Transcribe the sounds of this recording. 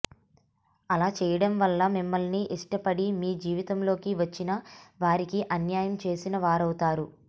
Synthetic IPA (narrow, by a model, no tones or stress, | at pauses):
ɐlaːt͡ʃɛːjɐɽɐmʋɐlːɐmimːɐlniʔiʂʈɐpɐɽimiːd͡ʒiːʋit̪ɐmlo̞ːkiʋɐt͡ʃːinɐʋaːɾikiʔɐnjaːjɐmt͡ʃe̞ːsinɐʋaːɾɐwut̪aːɾu